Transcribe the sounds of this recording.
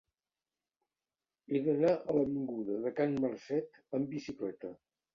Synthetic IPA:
eðənaʔələβiŋɡuðəðəkanməɾsɛt̪ | əmbisiklɛt̪ə

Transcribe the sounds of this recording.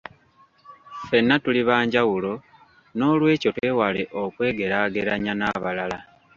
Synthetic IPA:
fe̞nːatuliβaːɲɟawulo̞ | no̞ːlwe̞ːco̞twe̞ːwale̞ʔokwe̞ːɡe̞ɾaɡe̞ɾaɲanaβalala

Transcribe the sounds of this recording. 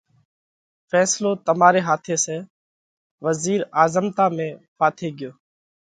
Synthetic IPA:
fɛːsloːt̪əmaːɾeːɦaːt̪ʰeːseː | ʋəziːɾaːzəmt̪aːmẽː | paːt̪ʰeːɡɪjoː

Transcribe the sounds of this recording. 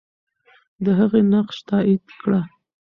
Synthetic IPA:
d̪əɦəɣenaqʃt̪ɑid̪kɽa

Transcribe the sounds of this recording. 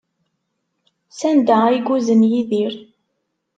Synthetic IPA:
sænd̪əiɡːuzənjiðiɾ

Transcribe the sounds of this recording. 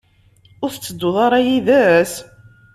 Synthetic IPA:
ʊɾθt͡sːəd̪ːʊðˤɑɾˤɑjiðæs

